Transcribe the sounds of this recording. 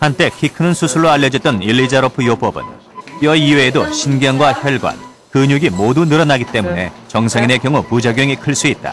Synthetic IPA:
hant͈e̞kʰikʰɯnɯnsʰusʰuɭːoaʎːjːʌd͡ʑʌt̚t͈ʌnilːid͡ʑaɾopʰɯjop͈ʌbɯ̰n | jʌiweːdoɕʰinɡjʌnɡwaçjʌɭɡwa̰n | kɯɲuɡimodunɯɾʌnaɡit͈e̞mune̞̰t͡ɕʌŋsʰeŋine̞kjʌŋupud͡ʑaɡjʌŋikʰɯɭs͈uit̚t͈a̰

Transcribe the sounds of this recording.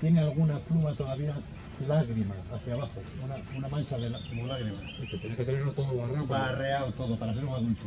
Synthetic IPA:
t̪jenealɣ̞unaplumat̪oðaβia | laɣ̞ɾimaːθjaβ̞axounaunamãnt͡ʃaðelakomolaɣɾima | iket̪jeneket̪eneɾnot̪oðolarbarealt̪o̞ðopaɾas̬eɾuŋaðunt̪u

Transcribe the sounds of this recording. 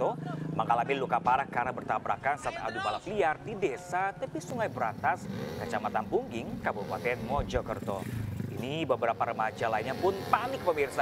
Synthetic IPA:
t̪ɔmaŋkalabɪnlukapaɾahkaɾaŋbərt̪abɾakansat̪a̰dubalapəliardidesat̪əpisuŋajbəɾant̪askət͡ʃamat̪anbuŋɡɪŋkabupa̰t̪ɛnmɔd͡ʒɔkə̰rt̪ɔ̰inibəbəɾapaɾəmad͡ʒalainɲapʊnpanɪk̚pəmirsa

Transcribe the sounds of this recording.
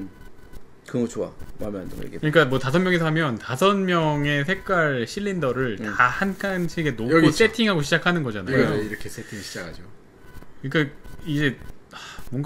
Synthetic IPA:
kɯɡʌt͡ɕoa̰ma̰mɯanda̰jḛkekɯɲik͈amwʌtasʰʌnmjʌŋesʰʌɦamjʌntasʰʌnmjʌŋe̞sʰe̞k̚k͈waɭɕʰiʎːindʌɾɯɭtahankʰanɕʰiɡe̞noɡos͈e̞tʰiŋɦaɡoɕʰid͡ʑakʰanɯnɡʌd͡ʑanaoiɾʌkʰes͈etʰiŋɕʰid͡ʑakʰad͡ʑiɡo | kɯik͈aid͡ʑe̞amwʌŋɡ

